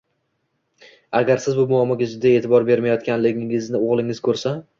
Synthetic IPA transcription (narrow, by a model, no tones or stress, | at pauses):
aɡʲaɾsɪzbʊmʊamɒɡʲad͡ʒʊd̪aet̪ʰɪbɒɾbe̞ɾmajɒt̪kʲanlɪɡʲɪŋɪznɪoʁlˠɪŋɪz̥kʰɵɾsa